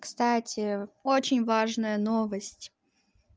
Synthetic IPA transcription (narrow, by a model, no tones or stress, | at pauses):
kst̪atʲɪot͡ɕɪnʲvaʐnəjənovəsʲtʲ